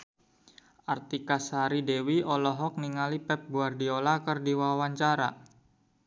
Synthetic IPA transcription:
ʔart̪ikasaɾidewiɔlɔɦɔk̚niŋalipɛp̚ɡuardiolakərdiwawaɲt͡ʃaɾa̰

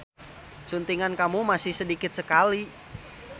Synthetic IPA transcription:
sunt̪iŋankamumasɪhsədikɪt̪̚səkali

